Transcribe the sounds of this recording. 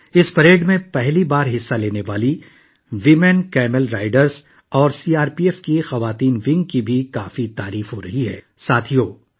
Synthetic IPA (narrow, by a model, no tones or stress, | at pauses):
ɪspɐɾeːɖmẽpɛɦlibaːɾɦɪsːaleːneʋaːli | ʋimɛnkɛːmɛlɾaːɪɖəɾz | ɔːɾsiːaːɾpiːɛːfkixɐʋaːt̪iːnʋɪ̃ŋɡ̚kibʱikaːfit̪aːɾiːfɦoɾɐɦiɦɛ̰ː | saːt̪ʰijoː